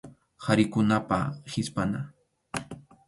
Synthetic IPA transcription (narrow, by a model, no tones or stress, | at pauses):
haɾɪkʊnapa̰hɪspana